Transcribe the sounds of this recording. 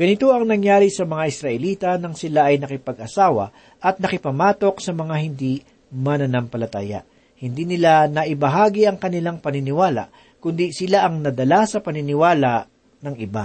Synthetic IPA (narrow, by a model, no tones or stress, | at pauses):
ɡ̥ɐnɪt̪o̞ɐŋnɐŋjaːɾisɐmɐŋaʔɪsɾɐʔɛliːt̪ɐnɐŋsɪlaʔɐjnɐkɪpɐɡʔɐsaːwɐ̰ | ʔɐt̪̚nɐkɪpɐmaːt̪o̞ksɐmɐŋahɪnd̪i | mɐnɐnampɐlɐt̪a̰ːjɐ̰ʔ | hɪnd̪iːnɪlanɐʔɪbɐɦaːɡiʔɐŋkɐnɪlaŋpɐnɪnɪwaːla̰ʔ | kʊnd̪isɪlaʔɐŋnɐd̪ɐlasɐpɐnɪnɪwaːlaʔ | nɐŋʔɪba